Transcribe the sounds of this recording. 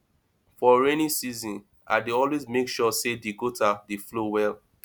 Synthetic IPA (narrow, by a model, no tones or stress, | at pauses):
fɔɹenĩsizɔ̃n | a̰deɔlwezmekʃɔsedeɡotadeflowɛl